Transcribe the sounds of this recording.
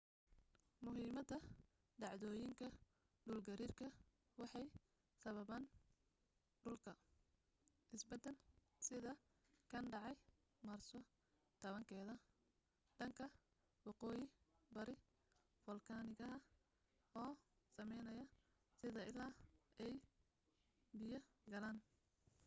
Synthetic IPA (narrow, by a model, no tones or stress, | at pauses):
mʊɦiːmɐd̪ɐ | ɖɑʕðɔːjɪŋkʰɐ | ɖʊlɡɐɾiːrkʰɐ | wɑħɑj | sɐβɐβaːn | ɖʊlkʰɐ | ʔɪsbɛd̪ɛl | sɪðɐ | kʰɐnɖɑʕɑj | marsɔ | t̪ʰɐβɐŋkʰɛːðɐ | ɖ̥ɐŋkʰɐ | wɑqɔːjɪbɐɾɪ | fɔlkʰaːnɪɣɐɦɐ | ɔː | sɐmɛjnɐjɐ | sɪðɐʔɪlaːɛj | bɪjɐɡɐlaːn